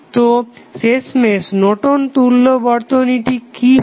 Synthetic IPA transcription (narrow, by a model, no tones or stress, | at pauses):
t̪osesmesnoʈont̪ulːobɔɾt̪oniʈiki